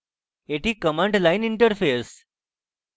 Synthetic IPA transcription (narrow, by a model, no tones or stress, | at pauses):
eʈʰiːkəmãɳʈlainiɳʈəɾfeɾs